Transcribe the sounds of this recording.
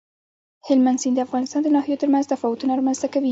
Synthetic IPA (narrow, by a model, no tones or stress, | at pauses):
hɪlmansind̪əafɣɑnɪst̪ɑnd̪ənɑhijat̪əɾmanz̥t̪afɑwʊt̪unaɾɑmanz̥t̪akawi